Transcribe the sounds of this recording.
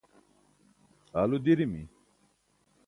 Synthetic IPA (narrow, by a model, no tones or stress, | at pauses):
alud̪iɾimi